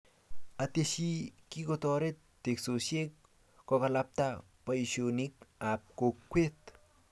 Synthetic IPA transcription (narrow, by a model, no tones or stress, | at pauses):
at̪eʃikikot̪ɔɾet̪ːeksosekː | ɔkalap̚t̪a | paiʃonikap̚kokːwet̪